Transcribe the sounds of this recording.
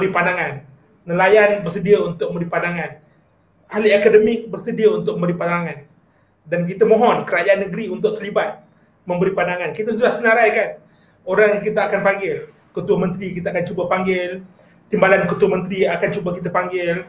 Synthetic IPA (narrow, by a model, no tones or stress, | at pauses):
əɾipadaŋanː | əlajanbərsədiaunt̪ʊk̚məmbəɾipanaŋan | aliakadəmɪk̚bərsədiaunt̪ʊk̚məmbəɾipanaŋan | dank̬it̪amõɦɔnkəɾad͡ʒaʔanːəɡəɾiunt̪ʊk̚t̪ərlibat̪̚ | mə̃mbəɾipanaŋankit̪asudahsənaɾajkan | oɾaŋjkit̪aakanpaŋɡɪl | kət̪uamə̃nt̪ɾikit̪aakant͡ʃubapaŋɡɪl | t̪imbalankət̪uamə̃nt̪ɾiakant͡ʃubakit̪̬apaŋɡɪl